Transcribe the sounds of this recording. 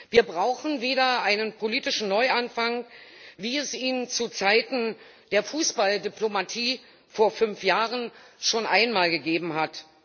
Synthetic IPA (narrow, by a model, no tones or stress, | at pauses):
viːɐbʁaʊxn̩veːɾɐʔaɪnənpʰoliːtɪʃn̩nɔʏʔanfaŋviːɛsiːnt͡sut͡saɪtn̩ | d̥eːɐfuːsb̥aldiplomatʰiː | foːɐfʏnfjaːʁənʃoːnʔaɪnmaːlɡəɡeːbm̩ɦat